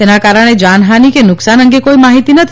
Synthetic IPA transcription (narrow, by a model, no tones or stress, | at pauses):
enakaɾəɽ̃ed͡ʒanɦanikenʊksanəŋɡekoimaɦit̪inət̪ʰ